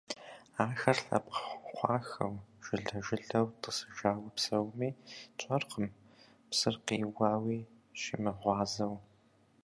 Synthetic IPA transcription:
aːxɐrɬɐ̰pʷχʷɑːxɐwʒ̥ɪɮɐʒɪɮɐwtʼəsɨ̥ʒaːwɐpsɐwmiːt͡ʃʷʼɐrqəm | psɨrqiːwɑːwiː | ʃḭmɐʁʷɑːzɐw

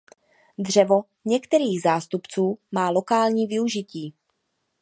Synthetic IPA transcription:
d̪r̝ɛvo̞ | ɲɛkt̪ɛɾiːɣzaːst̪upt͡suːmaːlo̞kaːlɲiːvɪuʒɪciː

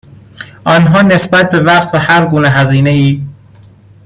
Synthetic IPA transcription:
ʔɒnɦɒːne̞sbæt̪̚be̞væɢt̪ʰvæhæɾɡuːneɦæziːneiː

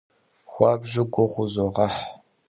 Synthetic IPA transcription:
xʷɑːbʒɪɡʷʊʁʷʊzoʁɐħ

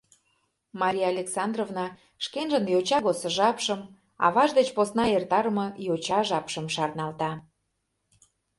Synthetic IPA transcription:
mɑɾʲijaɑlʲeksɑnd̪rovnɑ | ʃkenʒənjot͡ɕɑɣosə̆ʒɑpʃəm | ɑ̰βɑʒd̪ət͡ɕposnɑert̪ɑɾəmɤ̆jot͡ɕɑʒɑpʃəmʃɑrnɑlt̪ɑ

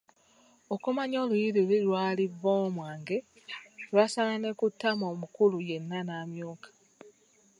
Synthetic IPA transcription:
o̞kumaɲo̞ːlujiɾililwaːlivːoːmwaːŋɡe̞ | lwaːsalane̞kutːamo̞ːmukuluje̞nːanaːmjuːkḁ

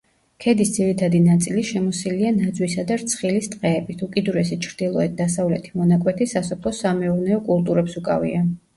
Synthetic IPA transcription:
kʰɛd̪isd̪ziɾit̪ʰad̪inat̪sʼiliʃɛmɔsilianad̪zwisad̪aɾt̪sʰχilist̪ʼqʼɛːbit̪ʰukʼid̪uɾɛsɛt͡ʃʰɾd̪ilˠɔɛt̪̚d̪asavlɛt̪ʰimɔnakʼwɛt̪ʰisasɔpʰlˠɔsamɛuɾnɛɔkʼulˠt̪ʼuɾɛpsukʼa̰vḭa

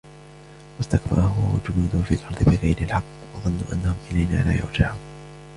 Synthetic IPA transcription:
wast̪akba̰ɾˤhʊwawa̰d͡ʒʊnuːd̪ʊhʊfiːlʔɑɾˤd̪ˤɨbɪɣajɾɪlħɑqː | wɑðˤɨnːṵʔanːahʊmʔɪlajna̰ːla̰ːjʊ̰ɾd͡ʒaʕuːn

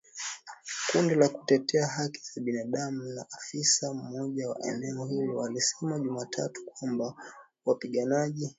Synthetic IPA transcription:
kundilaku̥tɛtɛaɦaki̥z̥aɓinaɗamunaʔafisam̩ːɔʄawa̰ʔɛ̰nɛɔhilɔwalisɛmaʄumaːtʰa̰tu̥kwamba | wapiɠanaʄi

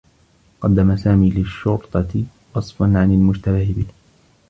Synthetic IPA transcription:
qɑd̪ːamasaːmiːlɪʃːʊɾt̪ˤɑ | wɑsˤfɑnʕanalmʊd͡ʒt̪abɪhɪbɪh

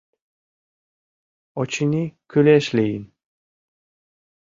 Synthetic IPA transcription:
ɔt͡ʃinikʲʰøleʃlejin

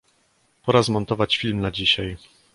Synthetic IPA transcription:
pɔɾazmɔnt̪ɔvat͡ɕfʲilmnad͡ʑiɕaj

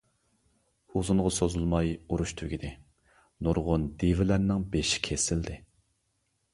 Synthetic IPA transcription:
uzuŋʁɑsozulˠmɑjuɾuʃt̪ʰyɡʲid̪ɪ | nuɾʁʊnd̪evɪlæɾnɪŋbeʃi̥kʲʰesɪld̪ɪ

